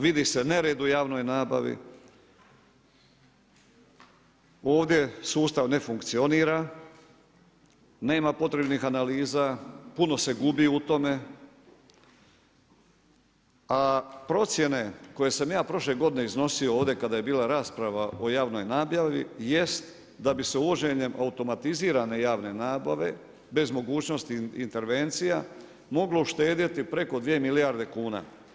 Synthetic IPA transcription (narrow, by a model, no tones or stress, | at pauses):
ʋid̪ise̞ne̞ɾeːd̪ujaːʋno̞jnaːba̰ʋḭ | oːʋd̪je̞suːst̪aʋne̞fuŋkt̪sio̞niːɾa | ne̞ːmapo̞t̪ɾe̞bnixanaliːzapuno̞se̞ɡubiut̪o̞me̞ | apɾo̞t̪sje̞ne̞ko̞je̞samjaːpɾo̞ʃle̞ɡo̞d̪ine̞izno̞siooːʋd̪je̞kad̪aje̞biːlaɾaːspɾaʋao̞jaːʋno̞jnaːbjaʋḭje̞st̪ | d̪abise̞uʋo̞d͡ʑe̞ɲe̞mʔaut̪o̞mat̪iziːɾane̞jaːʋne̞naːbaʋe̞ | be̞zmo̞ɡuːt͡ɕno̞st̪iḭnt̪e̞ɾʋe̞nt̪sija | mo̞ɡlo̞uʃt̪e̞ːd̪it̪ipɾe̞ko̞d̪ʋije̞milijaɾd̪e̞kuːna̰